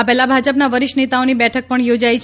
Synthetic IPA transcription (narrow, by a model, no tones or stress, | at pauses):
apɛlabʱad͡ʒəpnaʋəɾɪʃnet̪aonibɛʈʰək̚pəɳjod͡ʒajt͡ʃʰ